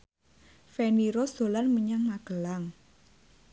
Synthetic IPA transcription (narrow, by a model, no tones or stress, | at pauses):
feniɾosd̪̥o̤lanməɲaŋmaɡ̥əlaŋ